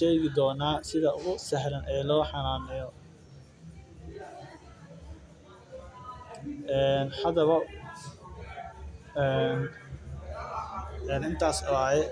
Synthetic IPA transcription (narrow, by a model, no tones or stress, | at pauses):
ʃɛːɣɪd̪ɔːnaːsɪðɐʊɣʊsɛɦɾɐnʔɛːlɔːħɑnaːnɪjɔ | ɛːnhɐðɐβɐ | ɛn | ɛːnɪnt̪ʰaːsɔajɛ